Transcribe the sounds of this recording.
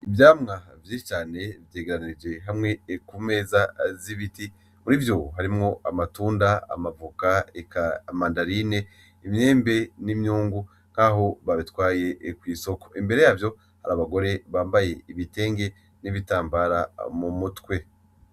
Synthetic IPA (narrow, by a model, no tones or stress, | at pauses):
ivjaːmŋavjiːʃi̥t͡ʃaːne̞βje̞ːɡe̞ɾanid͡ʒe̞ɦamŋe̞kume̞ːzaziβiti | muɾivjo̞ɦaɾimŋo̞ʔamatuːndaa̰mavukaeamandaɾine̞ | imɲe̞ːmbe̞nimɲuːŋɡu | ŋ̥aɦo̞βaβitwaːje̞kwiːso̞ko̞̥imbe̞ɾe̞javjo̞ | haɾaβaɡo̞ɾe̞βaːmbaje̞iβite̞ːŋɡe̞ | niβitaːmbaɾa̰mumutwe̞